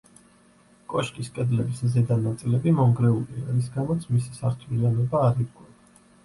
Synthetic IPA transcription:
kʼɔʃkʼiskʼɛd̪lɛbiszɛd̪anat̪sʼilɛbimɔŋɡɾɛuliaɾis̬ɡamɔt̪sʰmisi̥saɾt̪ʰvilianɔbaːɾiɾɡʼwa

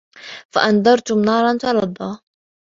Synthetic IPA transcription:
fa̰ʔand̪ˤɑɾˤt̪ʊmnɑːɾˤɑnt̪ɑlɑd̪ˤːɑː

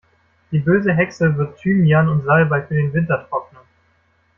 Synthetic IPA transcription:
d̥iːbøːzəɦɛksəvɪɐtːʰyːmjanʊntz̥albafyːɐdeːnvɪntɐtʁ̥ɔknə

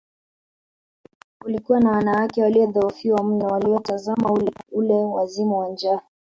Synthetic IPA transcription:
kulikuwanawanawakɛwaliɔðɔufiwam̩nɔwaliɔtazamaululɛwazimuwand͡ʒa

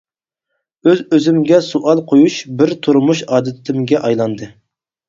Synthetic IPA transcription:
øzøzɪmɡʲɛsuʔɑlˠqʰojuʃbɪɾt̪ʰuɾmuʃɑːd̪ɨt̪ʰɪmɡʲɛʔɑjlˠɑnd̪ɨ

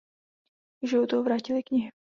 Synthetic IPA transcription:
ʒɪvot̪oovɾaːcɪlɪkɲɪɦɪ

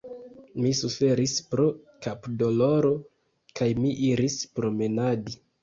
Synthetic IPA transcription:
misufe̞ɾispɾokapdo̞lo̞ɾo̞ | kajmiʔiɾispɾome̞nadi

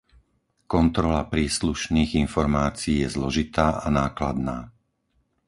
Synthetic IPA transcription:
kɔnt̪ɾɔlapɾiːsluʃniːɣinfɔɾmaːt͡siiːjɛzlɔʒit̪aːʔanaːklad̪naː

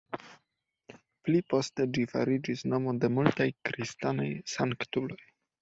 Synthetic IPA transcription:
plipo̞st̪ed͡ʒifa̰ɾid͡ʒisnomodemultajkɾist̪anḛjsaŋkt̪ulo̞j

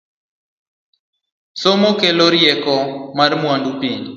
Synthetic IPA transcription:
somokeloɾjɛkɔmarmwandupiɲ

